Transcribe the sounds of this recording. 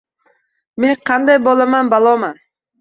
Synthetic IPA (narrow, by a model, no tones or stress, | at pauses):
meɴqʰɑnd̪ajbolˠamanbɑlˠoma